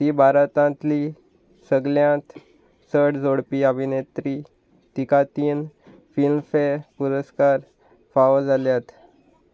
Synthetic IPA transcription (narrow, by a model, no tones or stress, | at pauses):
t̪iːbʱaɾət̪ãt̪liː | səɡljãt̪ | səʈʰd͡zoɽpiːəbʱinet̪ɾiː | t̪ikat̪iːn | filmfeɾpuɾəskaɾ | faʋəd͡zʱaljat̪